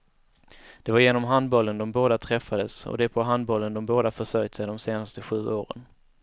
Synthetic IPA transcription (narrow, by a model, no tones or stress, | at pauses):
d̪̥ɛvaɾjeːnɔmɦand̪̚bɔlːənd̪ɔmboːd̪at̪ʰɾɛfːad̪əsɔ̰d̪ɛpʰɔɦand̪̚bɔlːənd̪ɔmboːd̪afœʂœɾjt̪sɛɪd̪ɔmseːnast̪əɧʉ̟ːʔoːɾə̰n